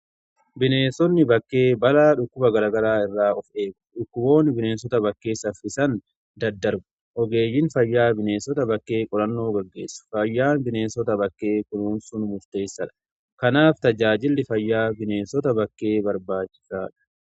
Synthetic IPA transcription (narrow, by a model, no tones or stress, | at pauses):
bɪneːnsɔnːɪbɐkːe̞ːbɐlaːᶑʊkːʊbɐɡɐɾaːɡɐɾaːɪrːaːɔfe̞ːɡʊᶑʊkːʊbo̞ːnɪbɪne̞ːnsɔt̪ɐbɐkːe̞ːsɐfɪsɐn | d̪ɐd̪ːɐɾbʊ̥ | ʔɔɡe̞ːjːɪnfɐjːaːbɪne̞ːnsɔt̪ɐbɐkːe̞ːkʼɔɾɐnːo̞ːɡɐɡːe̞̰ːsːʊ̥fɐjːaːnbɪne̞ːnsɔt̪ɐbɐkːe̞ːkʊnuːnsʊnmʊɾt̪e̞ːsːɐᶑɐ̥ | kɐnaːft̪ɐd͡ʒaːd͡ʒɪlːɪfɐjːaːbɪne̞ːnsɔt̪ɐbɐkːe̞ːbɐɾbaːt͡ʃːɪ̥saːᶑɐ̥